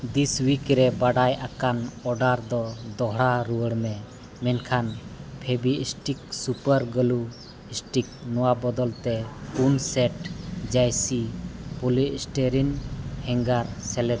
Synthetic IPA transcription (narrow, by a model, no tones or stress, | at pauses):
d̪iswikɾɛbaɖajʔakanɔɖaɾd̪ɔd̪ɔɦɽaɾuwəɽmɛ | mɛnkʰanpʰebiisʈik̚supəɾɡəlu | isʈik̚nɔwabɔd̪ɔlt̪ɛpunsɛʈd͡ʒajsipulisʈeɾinhɛŋɡaɾsɛlɛd̪